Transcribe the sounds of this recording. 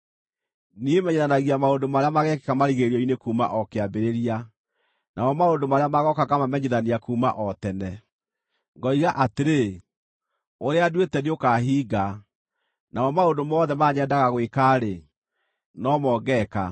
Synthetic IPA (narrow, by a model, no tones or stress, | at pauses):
niemɛɲeðanaɣiamaondomaɾeamaɣɛke̥kamaɾiɣeɾiɔinekuːma̰ʔɔkeabeɾeɾia | nʔaɔmaondomaɾeamaɣɔkakamamɛɲeðaniakuːma̰ʔɔtɛnɛ | ŋɡɔiɣaʔateɾe | oɾeadwetɛdeokaɦiːɡa | naɔmaodomɔðɛmaɲɛdaɣaɣwekaːɾe | nɔmɔɡɛka̰